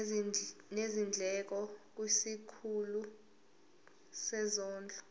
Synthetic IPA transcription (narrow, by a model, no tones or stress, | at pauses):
nezind͡ɮʱɛk̬ɔk̬wisikʰulu | sɛzɔːnd͡ɮʱɔ